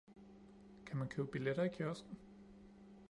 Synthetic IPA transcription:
kʰæmænkʰøʊb̥ileɾ̥ɐikʰjɶɐsɡ̥n̩

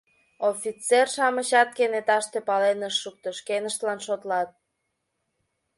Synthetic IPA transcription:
ofʲit͡serʃɑməɕɑt̪̚kenet̪ɑʃt̪e̽pɑlenəʃːuk̚t̪ə̆ʃkenəʃt̪lɑnʃot̪lɑt̪̚

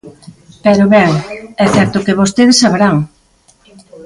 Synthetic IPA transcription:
pɛɾoβɛŋɛθɛɾt̪ʊkeβost̪eðesːaβeɾaŋ

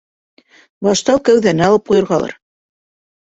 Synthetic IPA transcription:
bɑʃt̪ɑwkæwðænɘɑlˠɤp̚qujɤ̆ɾʁɑlˠɑ̰ɾ

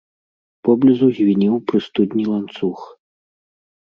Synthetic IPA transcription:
pɔblʲizuzʲvʲinʲiwpɾɨst̪ud̪nʲilˠant̪sux

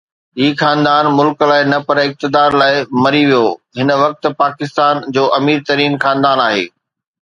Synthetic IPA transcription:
ɦiːxãːnd̪aːnmʊlklaːɪnɐpɐɾɪk̚t̪ɪd̪aːɾlaːɪmɐɾiʋijoːɦɪnə̆ʋɐk̚t̪̆paːkɪst̪aːnd͡ʑoːʔɐmiːɾt̪ɐɾiːnxãːnd̪aːnaːɦḛː

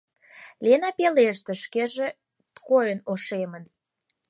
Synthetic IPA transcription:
lenɑpeleʃt̪ĕʃkeʒĕ | t̪kojənoʃemən

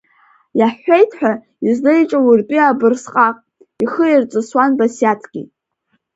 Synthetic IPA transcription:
jaħʷːejtʰħᶣa | izlejt͡ʃʼawurtʼiabɨrsqʼaqʼ | iχəirt͡sʷʼɨswanbasjatʰɡʲḭ

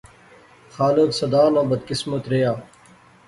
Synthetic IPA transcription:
xaːleksɐd̪aːnãːbɐd̪̚kɪsmɐt̪ɾejaː

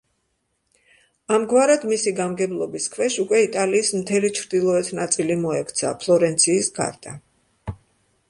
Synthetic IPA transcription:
amɡwaɾad̪misiɡamɡɛblˠɔbiskʰvɛʃukʼwɛit̪ʼaliːsmt̪ʰɛlit͡ʃʰɾd̪ilˠɔɛt̪ʰnat̪sʼilimɔɛkʰt̪sʰa̰pʰlˠɔɾɛnt̪sʰiːsɡa̰ɾd̪̥a

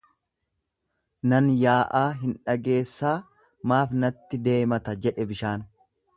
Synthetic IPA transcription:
nɐnjaːʔaːɦɪnᶑɐɡe̞ːsːaː | maːfnɐt̪ːɪd̪e̞ːmɐt̪ɐd͡ʒɛᶑɛbɪʃaːn

